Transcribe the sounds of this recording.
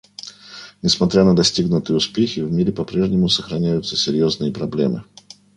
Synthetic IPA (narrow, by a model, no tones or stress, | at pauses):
nʲɪsmɐt̪ɾʲanəd̪ɐsʲtʲiɡnʊt̪ɨjəʊspʲexʲɪvmʲiɾʲɪpɐpɾʲe̞ʐnʲɪmʊsəxɾɐnʲæjʊt̪səsʲɪɾʲjo̞znɨjəpɾɐblʲḛmɨ̰